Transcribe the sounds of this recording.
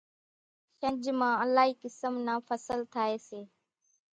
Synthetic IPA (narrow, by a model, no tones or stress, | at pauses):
ʃə̃nd͡ʒmãːəlaːɦiːkɪsəmnaːfʰəsəlt̪ʰaːeːseː